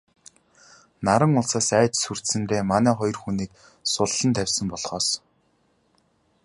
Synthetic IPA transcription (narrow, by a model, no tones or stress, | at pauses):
naɾə̆ŋʊɮsaːsæːt͡ɕsur̥t̪sɘ̆nt̪eːmanæːχɔjɞ̆rxuniːk̚ | sʊɮːə̆nt̪ʰæwʲsə̆mpɔɮχɔːs